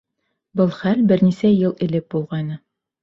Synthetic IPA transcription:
bɤlˠχælbɘ̆ɾnisæjɤlˠɘ̆lɘp̚bulˠʁɑjnɤ

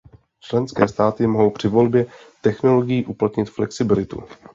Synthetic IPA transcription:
t͡ʃlɛnskɛ̰ːst̪aːt̪ɪmoɦo̞wpr̝̥ɪvo̞lbjɛ | t̪ɛxno̞lo̞ɡɪjiːʔuplat̪ɲɪt̪flɛksɪbɪlɪt̪ṵ

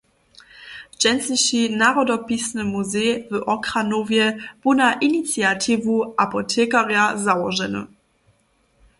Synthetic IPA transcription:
ʒ̥ɛnsliɕinaʁɔdɔpisnəmuzeːvəʔɔkʁanovjɛb̥onaʔinit͡sjatʰivuʔapɔtʰɛːkaʁjazawɔʒɛnə̰

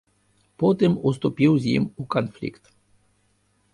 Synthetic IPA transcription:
pot̪emos̬t̪opiwzjḭmukonflḭkt̪

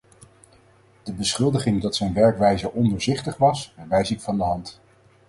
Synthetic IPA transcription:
d̥əbəsχɵlˠdəχɪŋdɑtsɛjnʋɛɹkʋɛjzəʔɔndəɹzɪχtəχʋɑsɛɹʋɛjsɪkfɑndəɦɑnt

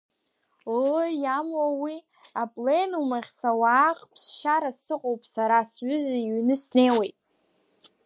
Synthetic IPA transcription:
jamwawi | apʼlenumaχʲsawaːχpʰsʃaɾasɨqʼowpʼsaɾasɥʏzaɥnɨsne̞jwe̞jtʼ

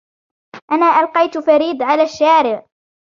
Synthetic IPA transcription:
ʔanaːʔɑlqɑjt̪faɾiːd̪ˤʕalaːʃːaːɾɪʕ

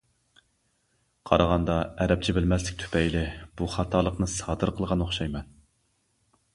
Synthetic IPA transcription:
qʰɑ̰ɾɑʁɑnd̪ɑɛɾɛp̚t͡ʃʰɛbɪlmɛslɪkʲt̪ʰy̥pʰɛjlɪb̥uχɑt̪ʰɑːlˠəqnɨsɑːd̪ɨɾqʰəlˠʁɑnoχʃɑjmɑn

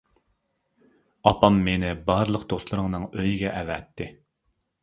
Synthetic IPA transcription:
ɑpʰɑmːenɪbɑɾlˠəqd̪oslˠɨɾɨŋnɨŋøjiɡʲɛʔɛvɛt̪ʰːɪ

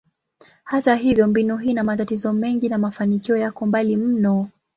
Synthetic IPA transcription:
hataɦivjɔmbinuɦiːnamatatizɔmɛŋɡinamafanikiɔjakɔmbalim̩nɔ

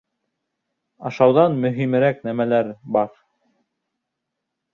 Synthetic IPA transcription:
ɑ̰ʃɑwðɑnmɵ̆ɦimɘ̆ɾæknæmælæɾbɑɾ

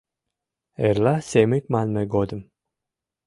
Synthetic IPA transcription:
eɾlasemikmanmeɡod̪ɨm

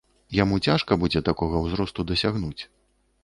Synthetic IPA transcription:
jamut͡sʲaʂkɐbud͡zʲɛt̪akɔɣɐwzɾɔst̪ud̪ɐsʲaɣnut͡sʲ

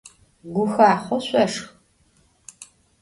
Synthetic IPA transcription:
ɡʷʊxaːχʷɔɕʷʼɐʂx

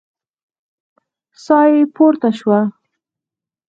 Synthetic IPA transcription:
sɑjepoɾt̪aʃwa

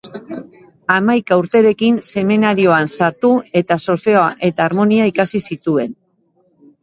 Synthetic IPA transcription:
amajkauɾt̪e̞ɾe̞kinse̞menaɾio̞ansaɾt̪ue̞t̪aso̞lfe̞oaʔe̞t̪aːɾmo̞niaikasisit̪ue̞n

